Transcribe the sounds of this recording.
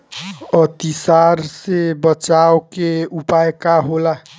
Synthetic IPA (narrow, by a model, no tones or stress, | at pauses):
ət̪isaɾsebət͡ʃawkeupaekaɦola